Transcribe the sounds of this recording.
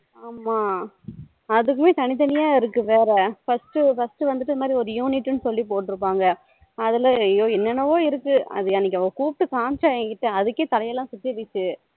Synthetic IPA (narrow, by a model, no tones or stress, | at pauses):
aːmaː | ɐðɯkːɯmeːt̪ɐnɪt̪̬ɐnɪjaːɪɾɯkːɯʋeːɾɐfɐsʈɯfɐsʈɯʋɐnd̪ɯʈ̪̬ːɪðɐmaːd̪ɾiɔɾɯjuːnɪʈːɯnɯsɔlːip̬oːʈːɪɾɯpːaːŋɡɐ | ɐðɪlɐjoːɛnːɐnɐʋoːɪɾɯkːɯɐ̰ðɯɛnːɪkːɐʋɐɡɐkuːp̚ʈːɯkaːnt͡ʃaːɛŋkɪʈːɯɐðɯkːeːt̪ɐlɐjɐlːãːsʊt̪ːiʋɪt͡ʃːɯ